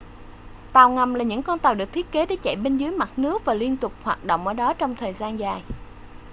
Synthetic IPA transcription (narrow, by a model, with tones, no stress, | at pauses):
t̪aː˨˩wŋa˨˩mlaː˨˩ɲɨ̰˧˥ŋkɔ˧nt̪aː˨˩wɗɨ˨˩ək̚t̪ʰi˦˥ət̚ke˨˦ɗe˨˩˦t͡ɕɛ̰˧˨jɓe˧nzɨ˨˦jma˨˩t̚nɨ˦˥ək̚vaː˨˩li˧ənt̪ʊ˨˩k͡p̚hwaː˨˩t̚ɗo̰˧˨wŋ͡mʔəː˧˩ɗɔ˨˦t͡ɕɔ˧wŋ͡mt̪ʰəː˨˩jzaː˧nzaː˨˩j